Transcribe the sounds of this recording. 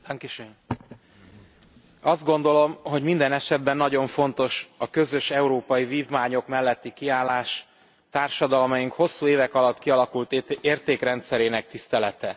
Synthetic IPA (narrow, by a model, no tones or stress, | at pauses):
ŋkiʃøn | ɒzd̪ɡo̞nd̪o̞lo̞mɦo̞ɟmind̪ɛnɛʃɛd̪̚bɛnːɒɟo̞ɱfo̞nt̪o̞ʃɒkø̞zø̞ʃɛuɾoːpɒjiviːvmaːɲo̞kmɛlːɛt̪ːikiaːlːaːʃ | t̪aːrʃɒd̪ɒlmɒjiŋkho̞sːuːeːvɛkɒlɒt̪ːkiɒlɒkult̪eːrt̪eːkɾɛnt̪sɛɾeːnɛk̚t̪ist̪ɛlɛt̪ɛ